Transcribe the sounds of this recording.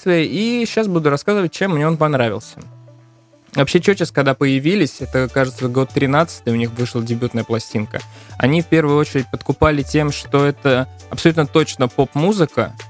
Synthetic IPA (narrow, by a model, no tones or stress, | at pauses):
t̪vʲɪjəʔiɕːasbud̪ʊɾɐskazɨvət̚ʲt͡ɕe̞mːnʲeonpɐn̪ɾavʲɪlˠsʲə̥ | vɐpɕːet͡ɕot͡ɕaskɐɡd̪apəjɪvʲilʲɪsʲɛt̪əkaʐɨt̪səɡo̞t̪ːɾʲɪnat̪sɨ̥t̪əjʊnʲixvɨʂlˠədʲɪbʲut̪nəjəplˠɐsʲtʲinkə̰ɐ̰nʲifpʲe̞rvʊjʊo̞t͡ɕɪɾʲɪt̚ʲpət̪kʊpalʲɪtʲe̞mʂt̪o̞ɛt̪ə | ɐpsɐlʲut̪nət̪o̞t͡ɕnəpo̞pmuzɨkə̰